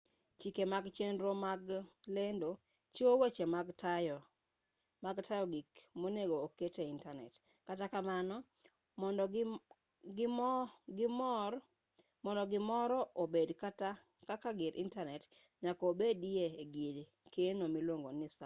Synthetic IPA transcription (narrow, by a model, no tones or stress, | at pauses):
t͡ʃikemaɡt͡ʃenɾomaɡlendo | t͡ʃowet͡ʃemaɡtaɔ | maɡtʰajɔɡikmoneɡoːketeintanɛ̰t | katakamanɔ | mɔn | ɡɪmɡɪm | mɔndɔɡɪmɔɾɔʔobedkata | kakaɡɪɾʔḭntanɛt | ɲakːbedieeɡil | kenomilwoŋɡonɪsa